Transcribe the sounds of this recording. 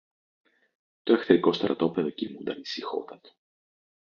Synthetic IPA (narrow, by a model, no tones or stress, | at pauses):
t̪oexθeɾiko̞st̪ɾʔɐ̰t̪o̞peðocimund̪ɐnisixo̰t̪ɐt̪o̥